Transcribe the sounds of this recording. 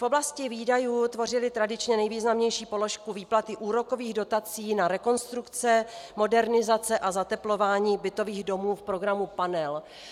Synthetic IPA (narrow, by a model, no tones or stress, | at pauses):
fʔoblascɪviːdajuːt̪vo̞rɪlɪt̪ɾadɪt͡ʃɲɛnɛjviːznamɲɛjʃiːpo̞lo̞ʃkuviːplat̪ɪʔuːɾo̞ko̞viːɣdo̞t̪at͡siːnaɾɛko̞nst̪ɾukt͡sɛmo̞dɛɾnɪzat͡sɛʔazat̪ɛplo̞vaːɲiːbɪt̪o̞viːɣdo̞muːfpɾo̞ɡɾamupanɛl